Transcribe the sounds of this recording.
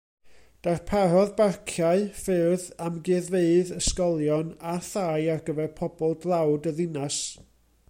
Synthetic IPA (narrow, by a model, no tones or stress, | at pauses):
d̥arpʰarɔðbarkʰjaɨfɨðamɡɨːðveɨðəskɔlˠjɔnaθaːjarɡəvɛrpʰɔbɔlˠdlˠawdəðɪnas